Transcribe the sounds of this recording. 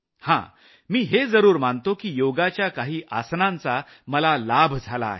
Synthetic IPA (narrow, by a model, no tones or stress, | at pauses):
hã̰ | miːɦed͡zəɾuːɾmant̪okiːjoɡat͡ɕjakaɦiːʔasnãnt͡sa | məlalabʱd͡zʱala̰ɦe